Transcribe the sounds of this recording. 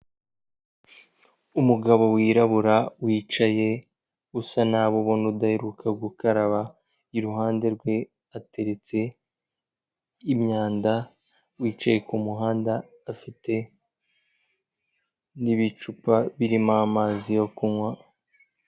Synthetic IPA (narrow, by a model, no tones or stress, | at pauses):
umuɡaβo̞wiːɾaβuɾawiːt͡ʃaje̞ | usanaːβoβonudaheɾukʰaɡukaɾaβa | iɾuɦaːnde̞ɾɡwe̞ | ate̞ɾe̞t͡se̞ | imɲaːnda | wiːt͡ʃaje̞kumuɦaːndaː | fite̞ | niβit͡ʃupaβiɾimamaːzijo̞kunwa